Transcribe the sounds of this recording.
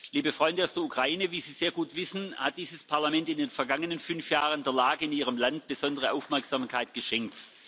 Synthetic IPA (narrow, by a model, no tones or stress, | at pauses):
liːbəfʁ̥ɔʏndəaʊsd̥eːɐukʁ̥aiːnəviːziːz̥eːɐɡuːtv̥ɪsn̩hat̚d̥iːzəspʰaɐlamɛntɪndeːnfɛɐɡaŋənənfʏnfjaːʁəndeːɐlaːɡəɪniːʁ̞əmlant̚b̥əz̥ɔndəʁ̞əʔaʊfmɛɐksz̥amkʰaɪtɡ̥əʃɛŋk̚t